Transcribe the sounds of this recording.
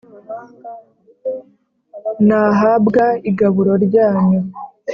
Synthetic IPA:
naɦabɡaiɡaβuɾo̞ɾɟaːɲu

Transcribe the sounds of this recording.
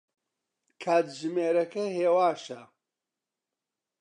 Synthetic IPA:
kʰaːt̪ʒɨmeːɾɐkɐheːwaːʃɐ

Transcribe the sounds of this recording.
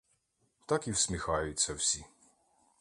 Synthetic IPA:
t̪akiwsʲmʲixajusʲɐwsʲi

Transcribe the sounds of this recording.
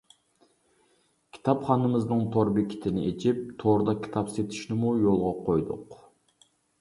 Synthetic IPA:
kʲʰi̥t̪ʰɑpχɑnɨmɨznɨŋt̪ʰoɾbekʲʰːi̥t̪ʰɪnɪʔet͡ʃʰip̚t̪ʰoɾd̪ɑkʲʰi̥t̪ʰɑpset̪ʰi̥ʃnɪmujolˠʁɑqʰojd̪ʊ̰q

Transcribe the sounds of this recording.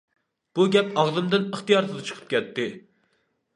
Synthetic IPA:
b̥uɡʲɛpɑʁzɨmd̪ɨnəχt̪ijɑɾt̪ʰɨd̪ɨt͡ʃʰə̥qʰɨ̥p̚kʲɛt̪ːɪ

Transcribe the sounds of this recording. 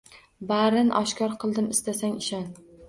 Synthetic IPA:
baɾɪnʔɒʃkʲɒɾqʰɨlˠd̪ɪmɪst̪asaŋɪʃɒn

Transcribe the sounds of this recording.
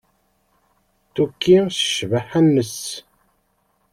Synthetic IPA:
t̪ukːisə̥ʃvəħænːəs

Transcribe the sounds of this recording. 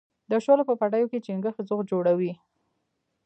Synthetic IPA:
d̪əʃolopəpaʈajoket͡ʃiŋɡəxzoɣd͡ʒoɽawi

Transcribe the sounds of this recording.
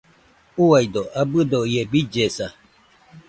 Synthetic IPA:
uwaid̪ɔʔabɨd̪ɔjɛbid͡ʒɛsa

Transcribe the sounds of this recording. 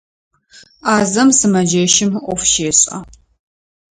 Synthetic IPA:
aːzɐmsɨmɐd͡ʒɐʃɪmʔʷɔfʃeːɕʼɐ

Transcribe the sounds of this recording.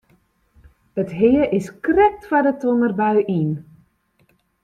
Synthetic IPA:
ətɦɪəʔɪskrɛk̚tfadətunərbaɥʔin

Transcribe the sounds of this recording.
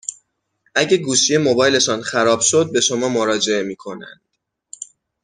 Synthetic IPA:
ʔæɟeɡuːʃijemo̞bɒːjle̞ʃɒːnxæɾɒːb̥ʃo̞d̪̚be̞ʃo̞mɒːmoɾɒːd͡ʒe̞e̞miːkʰo̞næ̰nd̪̥

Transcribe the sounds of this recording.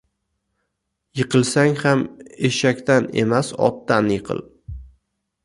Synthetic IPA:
jɨqʰɨlˠsaŋhameʃakʲt̪ʰane̞̰masɒ̰p̚t̪anjɨqʰɨ̰lˠ

